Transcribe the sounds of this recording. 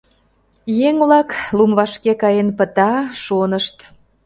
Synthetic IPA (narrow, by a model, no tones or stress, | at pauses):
jeŋβlɑklumβɑʃkekɑjenpət̪ɑʃonəʃt̪